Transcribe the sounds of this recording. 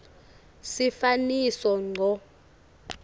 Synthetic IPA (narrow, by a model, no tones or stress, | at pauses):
sifanisɔŋ͡ǀʱɔ